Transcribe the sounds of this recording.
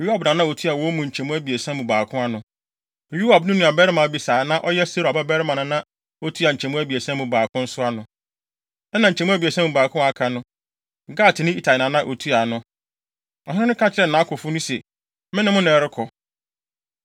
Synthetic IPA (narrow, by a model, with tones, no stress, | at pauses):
ju˦a˨bnã˨nã˦o˨tʰu˦a˨wɔ˦mũ˨ɲ̩˨t͡ɕʰɛ˨mũ˦æ˦bi˨e˨sã˦mũ˨baː˨kʰʊ̃˦a˦nʊ̃˨ | ju˦ha˨bnʊ̃˦nʊ̃˨a˨bɛ˦ɾɪ˦mã˨˦bi˨saː˨˦nã˦ʔɔ˦jɛ˦so˦ɾa˨ba˦bɛ˦ɾɪ˦mã˨nʊ̃˨nã˦ | o˦tʰu˦a˨ɲ̩˨t͡ɕʰɛ̃˨mũ˦æ˦bi˨e˨sã˦mũ˨baː˨kʰʊ̃˦n̩˦sʊ˦a˦nʊ̃˨ | ɛ˦nã˨ɲ̩˨t͡ɕʰɛ˨mũ˦æ˦bi˨e˨sã˦mũ˨baː˨kʰʊ̃˦a˨kʰã˨nʊ̃˦˨ | ɡa˦˨tʰɪ˨nɪ̃˦i˦tʰa˨ɪ˨nã˨nã˦ʔo˨tʰu˦a˨nʊ̃˨ | ɔ˨hɪ̃˦ʊ̃˦ʊ̃˦kʰã˦t͡ɕʰɪ˦ɾɛ˨n̩˨nã˨˦kʰʊ˨fʊ˦nʊ̃˦sɛ˨ | mɪ̃˦nɪ̃˦mʊ̃˦ñ˨ɛ˨ɾɪ˦kʰɔ˨